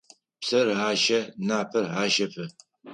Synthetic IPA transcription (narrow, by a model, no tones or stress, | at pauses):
psɐraːʃɐnaːpʰɐrħaːʃɐpʰɨ